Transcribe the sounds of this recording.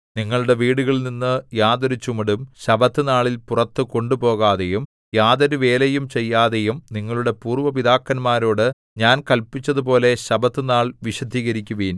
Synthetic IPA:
niŋːɐɭuɽe̞ʋiːɽuɣɐɭninːɨjaːd̪ɐɾut͡ɕumɐɽumɕɐbɐt̪ːɨnaːɭilpurɐt̪ːɨko̞ɳɖupo̞ːɣaːðe̞jum | jaːðɐɾuʋe̞ːlejumt͡ɕe̞jːaːðejumniŋːɐɭuɽe̞puːrʋɐʋiðaːkːɐnmaːɾo̞ːɽɨ | ɲaːnkɐlpit͡ɕːɐðup̬o̞ːle̞ɕɐbɐt̪ːɨnaːɭʋiɕɐd̪ʱiːɣɐɾikʲːuʋiːn

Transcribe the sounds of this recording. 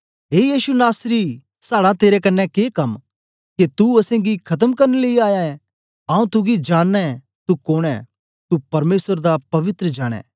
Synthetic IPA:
ɦeːjiːʃunaːsɾi | saːɽat̪eːɾekɐnːɛkeːkɐm | kit̪uɐsẽɡikʰɐt̪̬əmkɐɾneleiaːjaɛ̃ | ãːũt̪uɡid͡ʒaːnːɛ | t̪ukoːɽ̃ɛ̰ | t̪upɐɾmeːsəɾd̪apɐʋɪt̪ɾəd͡ʒaːɽ̃ɛ̰̃ː

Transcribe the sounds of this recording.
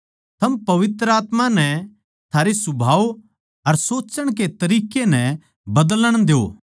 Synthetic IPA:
t̪ʰɐmpɐʋɪt̪ɾəaːt̪mãnɛ̃ | t̪ʰaːɾesʊbʱaːo | ɐɾsoːt͡ʃəɽ̃ket̪ɐɾiːkenɛ̃ | bɐd̪ləɽ̃d̪eo̰ː

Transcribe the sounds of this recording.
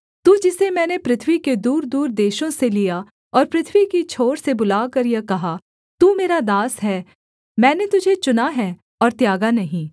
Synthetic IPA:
t̪uːd͡ʒɪsemɛ̃ːnepɾɪt̪ʰwiked̪uːɾd̪uːɾd̪eːʃõselija | ɔːɾpɾɪt̪ʰʋikit͡ʃʰoːɾsebʊlaːkɐɾjakɐɦa | t̪uːmeːɾad̪aːsɦɛː | mɛ̃ːnet̪ʊd͡ʒʱet͡ʃʊnaɦɛː | ɔːɾt̪jaːɡanɐɦĩː

